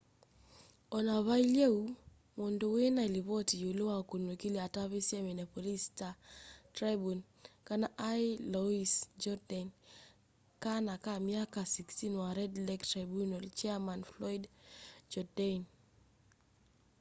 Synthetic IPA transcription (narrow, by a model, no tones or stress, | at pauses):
ɔnaβaileu | mondowenailiβɔtijolowakunwekiliataβisjeminapɔlistatɾabun | kanaʔajlɔisd͡ʒɔdan | kanakamjakasikstinwaɾɛdlɛktɾabunolt͡ʃɛamanflɔjdd͡ʒɔdan